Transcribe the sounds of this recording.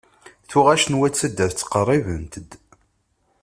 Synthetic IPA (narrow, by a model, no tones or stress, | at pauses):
θuʁæʃənwæt͡sːəd̪ːæθt͡sːqərˤːivənt̪əd̪